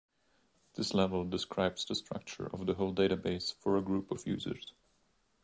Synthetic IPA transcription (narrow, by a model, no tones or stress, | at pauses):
ðɪslɛvəl̩ˠdɨskʰɹaɪbz̥ðəstɹ̥ʌ̰k̚t͡ʃə̰˞ʔʌ̰vðəɦoʊlˠdeɪɾɨbeɪsfə˞əɡɹupʌvjʉ̰ːzə̰˞z̥